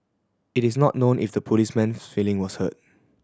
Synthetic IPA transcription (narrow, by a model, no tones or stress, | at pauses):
ɪtɪsnɔʔ̚nõnʔɪ̰fdəpʰolismɛ̃nsfilɪ̃ŋwɔshə̰t̚